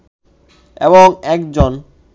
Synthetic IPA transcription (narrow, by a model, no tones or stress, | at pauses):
eβoŋɛkd͡ʑon